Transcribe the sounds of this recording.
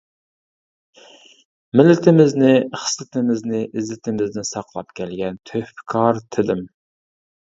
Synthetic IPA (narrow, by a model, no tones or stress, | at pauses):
mɪlːɪt̪ʰɪmɪznɪχsɪt̪ɪmɪznɪʔɪzlɪt̪ʰɪmɪznɪsɑqlˠɑpkʲʰɛlɡʲɛnt̪ʰøhfkʰɑɾt̪ʰɪd̪ɪm